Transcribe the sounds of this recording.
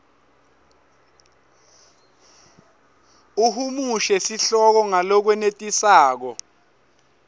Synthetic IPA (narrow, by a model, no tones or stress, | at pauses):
uɦumuʃɛsiɬɔk̬ɔŋalɔk̬wɛnetʼisaːk̬ɔ